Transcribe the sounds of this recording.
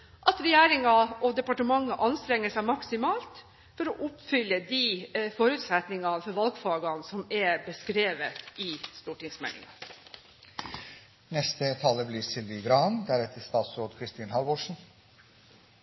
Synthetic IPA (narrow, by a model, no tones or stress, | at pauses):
ʔɑt̪ɾɛjæːɾɪŋɑʔɔd̪ɛpɑʈəmɑŋːəʔɑnst̪ɾɛŋːəsæɪmɑksɪmɑːlt̪ | fɔɾɔʔʊpfʏlːəd̪ifɔɾʉːt̪sɛt̪nɪŋɑnfɔɾʋɑlɡfɑːɡɑnsɔmɛbəskɾeːʋət̪ɪst̪uːʈɪŋsmɛ̰lɪ̰ŋɑ | nɛst̪ət̪ʰɑləblɪɾsɪld̪ɪɡɾɑːnd̪æɾɛt̪ʰəst̪ɑːt̪sɾoːd̪kʰɾɪst̪iːnhɑlboːʂn̩